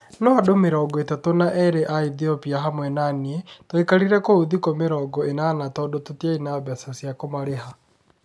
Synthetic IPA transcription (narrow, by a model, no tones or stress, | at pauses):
nɔadomeɾɔːɡɔetɛtonaʔɛɾeʔaiðiɔpiaɦamwɛnanietoekaɾiɾɛkooðikomeɾɔːɡɔenanatɔdototiainaβɛsasjakomaɾeɦa